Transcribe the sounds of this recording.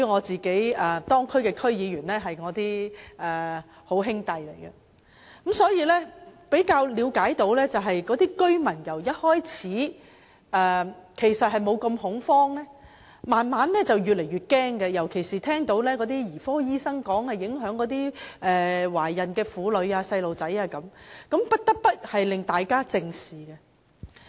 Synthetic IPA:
y˧ŋɔː˨˧t͡siː˨ke˨˥jɛː˨˩t̪ɔː˥ŋkʰɵ˥ɥkɛː˧kʰɵ˥ɥjiː˨˧jyː˨˩nlɛː˥ɦɐ˨jŋɔː˨˧t̪iː˥ɛː˨˩ | ho˨˥wɦɪ˥ŋt̪ɐ˨jle˨˩jɡɐ˧ | kɐ˨˥msɔː˨˥jiː˧lɛ˥pe˨˥jkaː˧wliː˨˧wkaː˨˥jt̪o˨˧˥wlɛː˥t͡sɐ˨wɦɐ˨jkɔː˨˥t̪iː˥kɵ˥ɥmɐ˨˩njɐ˨˩wjɐ˥t̚hɔː˥jt͡sʰiː˨˥ | ʔɛː˨kʰe˨˩jsɐ˨t̚hɐ˨jmo˨˧wkɐ˧mhʊ˨˥ŋfɔː˥ŋlɛː˥ | maː˨nmaː˨˥nlɛː˥t͡sɐ˨wjyː˨t̚le˨˩jɥyː˨t̚kɛː˥ŋkɛ˧jɐ˨˩wkʰe˨˩jsiː˨t̪ʰɛː˥ŋt̪o˨˥wlɛː˥kɔː˨˥t̪iː˥jiː˨˩fɔː˥jiː˥sɐ˥ŋkɔː˨˥ŋhɐ˨jɪ˨˥ŋɦœː˨˥ŋkɔː˨˥t̪iː˥ʔɛː˨waː˨˩jɐ˨nkɛː˧fuː˨˥lɵ˨˧ɥaː˧sɐ˧jlo˨wt͡sɐ˨˥jaː˧kɐ˨˥mkɐ˨˥mpɐ˥t̚t̪ɐ˥k̚p̪ɐ˥t̚hɐ˨jlɪ˨ŋt̪aː˨jkaː˥t͡sɪ˧ŋsiː˨kɐ˧

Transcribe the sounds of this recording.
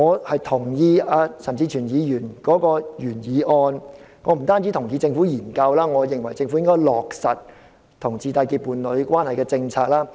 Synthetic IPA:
ŋɔː˨˧hɐ˨jt̪ʰʊ˨˩ŋjiː˧aː˧sɐ˨˩mt͡siː˧t͡ʃʰyː˨˩njiː˨˧jyː˨˩nkɔː˨˥kɔː˧jyː˨˩njiː˨˧ʔɔː˧n | ŋɔː˨˧m̩˨˩t̪aː˥nt͡si˨˥t̪ʰʊ˨˩ŋjiː˨˧t͡sɪ˧ŋfuː˨˥jiː˨˩nkɐ˧wlaː˥ŋɔː˨˧jɪ˨ŋwɐ˨˩jt͡sɪ˧ŋfu˨˥jɪ˥ŋkɔː˥jlɔː˨˩k̚sɐ˨t̚ | t̪ʰʊ˨˩ŋt͡siː˧t̪aː˧kiː˧t̚pːuː˨˧nlɵ˨˧˥ɥkʷaː˥nhɐ˨jkɛː˧t͡sɪ˧ŋt͡sʰaː˧k̚laː˥

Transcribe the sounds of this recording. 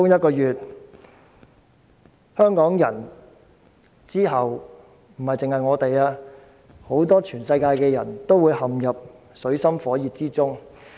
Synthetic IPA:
ʊ˥ŋjɐ˥t̚kɔː˧jyː˨t̚ | hœː˥ŋkɔː˨˥ŋjɐ˨˩n | t͡siː˥ɦɐ˨w | m̩˨˩hɐ˨jt͡sɪ˨ŋhɐ˨jŋɔː˨˧t̪e˨jaː˧ | ho˨˥wt̪ɔː˥t͡ʃʰyː˨˩nsɐ˧jkaː˧jkɛː˧jɐ˨˩nt̪o˥wuː˨˧jhɐ˨mjɐ˨p̚ | sɵ˨˥ɥsɐ˥mfɔː˨˥jiː˨t̚t͡siː˥t͡sʊ˥ŋ

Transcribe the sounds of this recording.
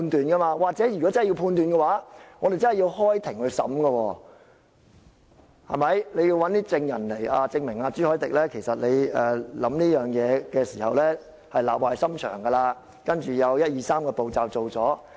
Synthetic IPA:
nt̪yː˨nkɐ˥maː˧waː˨k̚t͡sɛː˨˥jy˨kɔ˨˦˥t͡sɐ˥hji˧wpʰuː˧nt̪yː˨nkɛ˧waː˨˥ŋɔː˨˧d̪e˨jt͡sɐ˥nhji˧wɦɔː˥jt̪ʰɪ˨˩ŋhɵ˧ɥsɐ̰˨˥mɡɐ˧wɔː˧˩ | hɐ̰˨˩mɐ˨˥jle˨˧ji˧wɐ˨˦nt̪iː˥t͡sɪ˧ŋjɐ̰˨˩nle˨˩jʔa̰ː˧t͡sɪ˧ŋmɪ˨˩ŋaː˧t͡syː˥hɔː˨˥jt̪ɪ˨k̚lɛː˥kʰe˨˩jsɐ˨t̚le˨˧jɛː˨˩lɐ˨˥mniː˥jœː˨ŋjɛː˨˧kɛː˧siː˨˩hɐ˨wlɛː˥ | hɐ˨jlaː˨p̚waː˨˧jsɐ˥mt͡ʃʰœ̰ː˨˩ŋɡɐ˧laː˧ | kɐ˥nt͡ʃyː˨jɐ˨˧wjɐ˥t̚jiː˨˧saː˥mkɔː˧po˨wt͡saː˨wt͡so˨wt͡sɔː˨˥

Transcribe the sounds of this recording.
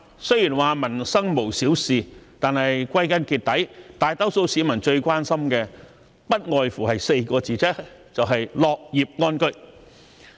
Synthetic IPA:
sɵ˥ɥjiː˨˩nwaː˨˩mɐ˨˩nsɐ˥ŋmo˨˩wsiː˨˥wsiː˨t̪aː˨nhɐ˨jkʷɐ˥jkɐ˥nkiː˧t̪̚ɐ˨˥jt̪aː˨jt̪ɐ˥wso˧˥wsiː˨˥mɐ˨˩nt͡ʃɵ˧ɥkʷaː˥nsɐ˥mkɛː˧ | pɐ˥t̚ŋɔː˨jfuː˨˩hɐ˨jse˧jkɔː˧t͡siː˨t͡sɛ˥t͡sɐ˨wɦɐ˨jlɔː˨k̚jiː˨p̚ŋɔː˥nkɵ˥ɥ

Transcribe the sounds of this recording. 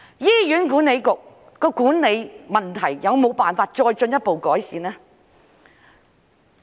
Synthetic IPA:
jiː˥jyː˨˥nkuː˨˥ne˨˧jkʊ˨k̚ː | ɔː˧kuː˨˥nne˨˧jmɐ˨nt̪ʰɐ˨˩jjɐ˨˧wmo˨˧wpaː˨nfaː˧t̚t͡ʃɔː˧jt͡ʃɵ˧njɐ˥t̚po˨wkɔː˨˥jsiː˨˧nɛː˥

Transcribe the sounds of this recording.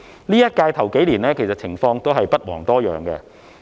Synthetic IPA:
liː˥jɐ˥t̚kaː˧jt̪ʰɐ˨˩wke˨˥jliː˨˩nlɛː˥kʰe˨˩jsɐ˨t͡sʰɪ˨˩ŋfɔː˧ŋt̪o˥wɦɐ˨jpɐ˥t̚wɔː˨˩ŋt̪ɔː˥jœ̰ː˨ŋkɛ̰˧

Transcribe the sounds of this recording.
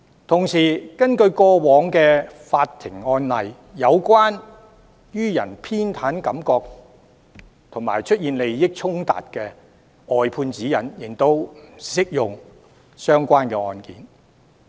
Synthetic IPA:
t̪ʰʊ˨˩ŋsiː˨˩kɐ˥nkɵ˧ɥkɔː˧wɔː˨˧˥ŋkɛː˧faː˧t̚t̪ʰːɪ˨˩ŋɔː˧nlɐ˨˩j | jɐ˨˧wkʷwaː˥n | jyː˥jɐ̰˨˩npʰiː˥nt̪ʰaː˨˥nkɐ˨˥mkɔː˧k̚ | t̪ʰʊ˨˩ŋmaː˨˩jt͡ʃʰɵ˥t̚jiː˨˧nle˨jjɪ˥k̚t͡ʃʰʊ˥ŋt̪a̰ː˨t̚kɛ˧ | ɔː˧jpʰuː˧nt͡siː˨˥jɐ˨˩njɪ˨˩ŋt̪o˧wm̩˨˩sɪ˥k̚jʊ˨ŋ | sœː˥ŋkʷaː˥nkɛː˧ɔː˧nkiː˨˥n

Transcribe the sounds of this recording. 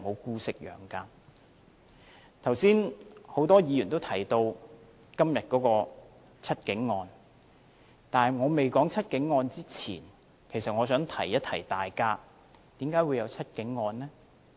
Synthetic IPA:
mo˨˧wkuː˧sɪ˨k̚jœ̰ː˨˩ŋkaː˧ | t̪ʰɐ˨˩wsiː˥nho˨˥wt̪ɔː˥jiː˨˧jyː˨˩nt̪o˥wt̪ʰɐ˨˩jt̪o˧w | kɐ˥mjɐ˨t̚kɔː˨˧˥kɔː˧ | t͡sʰɐ˥t̚kɪ˨˥ŋːɔː˧n | t̪aː˨˩nŋɔː˨˧me˨jkɔː˨˥ŋt͡sʰɐ˥t̚kɪ˨˥ŋːɔː˧nt͡siː˥t͡sʰḭː˨˩n | kʰe˨˩jsɐ˨t̚ŋɔː˨˧sœː˨˥ŋt̪ʰɐ̰˨˩jːɐ˥t̪ʰɐ̰˨˩jt̪aː˨jkaː˧˥ | t̪iː˨˥mkaː˨˥jwuː˨˧jɐ˨˧wt͡sʰɐ˥t̚kɪ˨˥ŋːɔː˧nlɛ˥

